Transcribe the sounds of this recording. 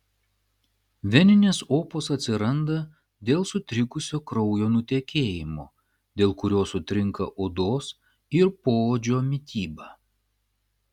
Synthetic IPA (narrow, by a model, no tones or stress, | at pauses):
ʋʲɛnʲɪnʲeːsoːpoːsɐt̪ʲsʲɪɾɐnd̪ɐ | d̪ʲeːlˠsʊt̪ʲɾʲɪkʊsʲoːkɾɒʊjoːnʊt̪ʲekʲeːjɪmoː | d̪ʲeːlˠkʊɾʲoːsʊt̪ʲɾʲɪŋkɐ̰ʔoːd̪oːs | ɪɾpoːoːd͡ʒʲoːmʲɪt̪ʲiːbɑː